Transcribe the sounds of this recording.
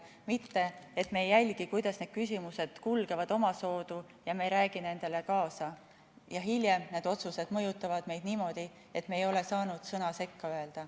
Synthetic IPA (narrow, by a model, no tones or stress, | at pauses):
mit̪ːe̞et̪ːme̞ːjːælʲɡ̥ikujd̪̥ɑsne̞d̪̥̚kysʲimuse̞d̪̥kulɡ̥evɑd̪̥o̞mɑso̞ːd̪̥u | jɑmeɾæːɡ̥ine̞nd̪̥e̞le̞kɑːsɑ | jɑɦiljemne̞d̪o̞t̪suse̞d̪̥mɤ̞jut̪ːˑɑvɑd̪̥me̞jd̪̥niːmo̞d̪̥i | e̞t̪me̞ːjo̞le̞sɑːnud̪̥sɤnɑse̞kːɑøe̞ld̪̥ɑ